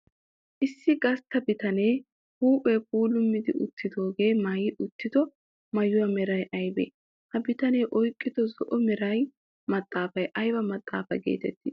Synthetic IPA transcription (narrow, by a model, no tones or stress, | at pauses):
ʔɪsːɪɡɐst̪ːɐbɪt̪ɐneː | huːpʼːɛp̚uːlʊmːɪd̪ɪ̰ʔʊ̰t̪ːɪd̪o̞ːɡe̞ːmɐjɪʔʊt̪ːɪd̪ɔ | mɐjʊwɐmɛɾɐjʔɐjbḛ | hɐbɪt̪ɐnejʔɔjkʼːɪd̪ɔzɔʔɔmɛɾɐj | mɐt̪ʼːaːfɐjʔɐjbɐmɐt̪ʼːa̰ːfɐjɡḛːt̪ɛt̪ːɪ